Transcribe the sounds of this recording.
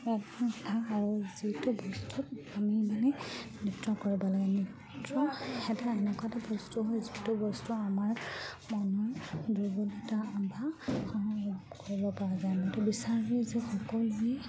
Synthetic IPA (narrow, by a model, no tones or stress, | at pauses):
atatʰaːɹuzitʊbɔstutamimanɛnitɹɔkoɹibalaɡɛni | tɹɔɛtaɛnɛkɔatabɔstuɦojzitʊbɔstuamaɹ | mɔnɔɹdubɔlotaːbʱaxɔmaɡɔkoɹibɔpaɹazajmɔjtɔbisaɹizɛxɔkɔluɛ